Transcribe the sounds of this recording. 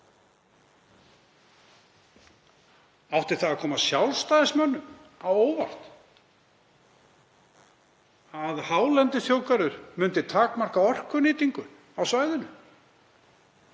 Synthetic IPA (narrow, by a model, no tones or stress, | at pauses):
awht̪ɪɾ̥θaɣakʰɔːmasjawlst̪aːjðɪsmœnːʏmawoːwvar̥t̪ | aðhaːwlɛnt̪ɪθjoːwkaɾʏɾmʏnt̪ɪt̪ʰaːkmar̥kaɔr̥kʏnɪːt̪iŋkʏn | awsvaːjðʏnʏ